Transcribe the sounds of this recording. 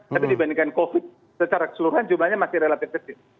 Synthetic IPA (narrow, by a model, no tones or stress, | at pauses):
t̪apidibandiŋkankofɪt̪̚ | sət͡ʃaɾakə̥səluɾuɦand͡ʒumblahɲamasɪhɾelat̪ɪfɡəsɪ